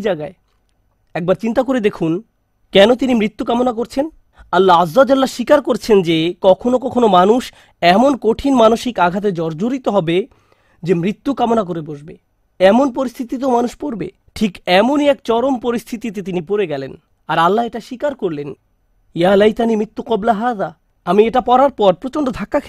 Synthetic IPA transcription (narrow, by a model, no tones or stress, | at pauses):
d͡ʑaɡae | ɛk̚baɾt͡ɕint̪akoɾed̪ekʰun | kɛnot̪inimɾit̪ːukamonak̬oɾt͡ɕʰen | alːaazːad͡ʑalːaʃikaɾkoɾt͡ɕʰend͡ʑekɔkʰonokɔkʰonomanuʃ | ɛmonkoʈʰinmanoʃikaɡʱat̪̬ed͡ʑɔɾd͡ʑoɾit̪oɦɔbe | d͡ʑemɾit̪ːukamonak̬oɾeboʃbe | ɛmonpoɾist̪ʰit̪it̪̬omanuʃpoɾbḛ | ʈʰikɛmoniɛkt͡ɕɔɾompoɾist̪ʰit̪it̪̬it̪inipoɾeɡɛlen | aɾalːaeʈaʃikaɾkoɾlen | jalajt̪animɾit̪ːuqɔblaɦad̪a | amieʈapɔɾaɾpɔɾpɾot͡ɕoɳɖod̪ʱakːakʰ